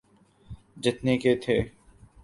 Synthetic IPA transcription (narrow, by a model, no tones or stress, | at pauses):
d͡ʒɪt̪neːkeːt̪ʰeː